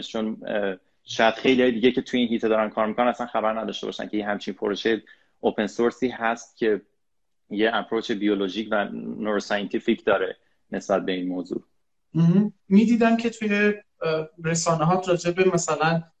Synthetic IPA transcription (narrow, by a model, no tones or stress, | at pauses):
t͡ʃʰon | ʃɒːjæd̪xejliɒːjed̪iːɟe̞cʰe̞t̪ʰujeiːnɦiːt̪ʰed̪ɒːɾænkʰɒːɾmikonænæsænxæbæɾnæd̪ɒːʃt̪e̞bɒ̰ʃæ̰ncʰe̞jeɦæmt͡ʃʰinpʰoɾoʃeje | opʰe̞nsoɾsiːhæst̪̚cʲʰe̞ | jeæpʰɾoːt͡ʃʰebijoloʒiːcʰvænoɾosɒjent̪ʰificʰd̪ɒːɾe̞ | ne̞sbæt̪̚be̞iːnmoːzṵː | miːd̪iːd̪æmcʰe̞t̪ʰuje̞ | ɾe̞sɒːneɦɒːt̪ɾɒːd͡ʒe̞be̞mæsælæn